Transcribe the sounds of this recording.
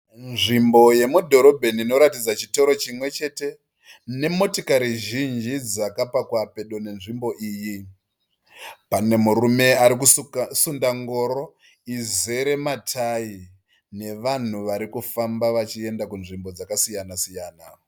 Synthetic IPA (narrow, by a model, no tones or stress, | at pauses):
nʐimbo̞je̞mudʱo̞ɾo̞bʱe̞niːno̞ɾatid͡zat͡ʃito̞ɾo̞t͡ʃimwe̞t͡ʃe̞te̞ | ne̞mo̞tokaɾiʒind͡ʒid͡zakapakwape̞ɗo̞ne̞nʐimbo̞ʔiːji | pane̞murume̞aɾik̬usundaŋɡo̞ːɾo̞ | ize̞ɾe̞matʰaji | ne̞ʋan̤uʋaɾikufambaʋat͡ʃie̞ndakunʐimbo̞d͡zakasijanasijaːna